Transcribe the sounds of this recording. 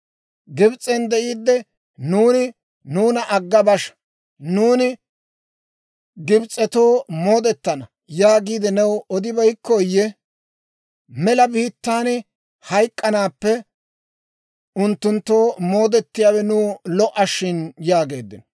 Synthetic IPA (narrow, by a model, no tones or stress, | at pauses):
ɡɪbt͡sʼɛnd̪ɛʔiːd̪ːɛ | nuːnɪ | nuːnɐʔɐɡːɐbɐʃ | nuːnɪ | ɡɪbt͡sʼːɛt̪o̞ːmo̞ːd̪ɛt̪ːɐnɐ | jaːɡiːd̪ɛnɛwɔd̪ɪbɐjkːɔːjːɛ | mɛlɐbiːt̪ːaːnɪ | hɐjkʼːɐnaːpːɛ | ʊnt̪ːʊnt̪ːo̞ːmo̞ːd̪ɛt̪ːɪjaːwɛnuːlɔʔɐʃːɪnjaːɡe̞ːd̪ːɪnɔ